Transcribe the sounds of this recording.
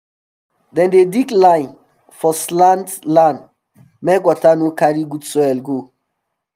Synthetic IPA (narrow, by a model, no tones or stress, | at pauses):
dɛ̃ndediklãɪ̃n | fɔslãntlãn | mɛkwɔtanokaɾiɡudsɔɛlɡo